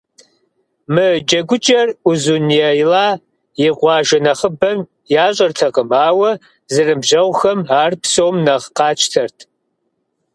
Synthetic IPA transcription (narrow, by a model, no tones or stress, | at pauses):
mɨd͡ʒɐɡʷʊt͡ʃʼɐruzunjɛjlaː | jɪʁʷɑːʒɐnɐχəbɐm | jaːɕʼɐrtʰɐqəmaːwɐ | zɨrɨbʒɐwʷxɐmaːrpsowmnɐʁqɑːt͡ʃʰtʰɐrtʰ